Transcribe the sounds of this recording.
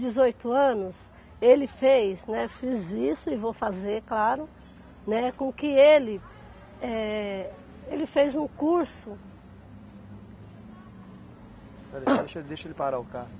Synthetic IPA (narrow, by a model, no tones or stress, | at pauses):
d͡ʒɪzojt̪ʊɐ̃nʊs | elɪfejznɛfizisʊɪvowfazeɾklaɾʊ | nɛkõkɪelɪ | ɛ | elɪfejzũkuɾsʊ | pɛlɐeʃd̪eʃɐelɪpaɾaʊka